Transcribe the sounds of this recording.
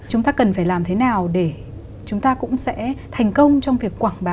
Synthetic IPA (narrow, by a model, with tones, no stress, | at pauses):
t͡ɕʊ˨˦ŋ͡mt̪aː˧kə˨˩nfaː˧˩jlaː˨˩mt̪ʰe˨˦naː˨˩wɗe˧˩ | t͡ɕʊ˨˦ŋ͡mt̪aː˧kʊ̰˧˥ŋ͡msɛ̰˧˥t̪ʰa˨˩jŋ̟kə˧wŋ͡mt͡ɕɔ˧wŋ͡mvi˨˩əkːwaː˧˩ŋɓaː˨